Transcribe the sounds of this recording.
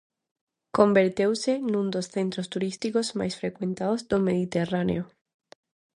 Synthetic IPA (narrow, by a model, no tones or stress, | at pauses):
kombeɾt̪ewsenũnd̪osθent̪ɾost̪uɾist̪ikozma̰jsfɾekwẽnt̪aðozd̪omeðit̪eranḛo